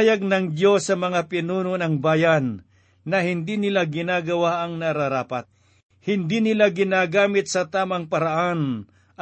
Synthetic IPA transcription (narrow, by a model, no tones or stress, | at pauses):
jɐɡ̚nɐŋd̪jo̞sːɐmɐŋapɪnuːnonɐŋbaːjanː | ɐhɪnd̪inɪlaɡɪnaːɡɐwaʔɐŋnɐɾaɾaːpɐt̪̚ | hɪnd̪iːnɪlaɡɪnaːɡaːmɪt̪̚sɐt̪aːmɐŋpɐɾɐʔan